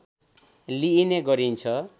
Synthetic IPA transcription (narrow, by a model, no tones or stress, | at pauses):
liːneɡʌɾint͡sʰʌ